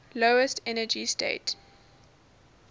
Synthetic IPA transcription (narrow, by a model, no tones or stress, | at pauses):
loʊəstʰɛnəd͡ʒistḛɪt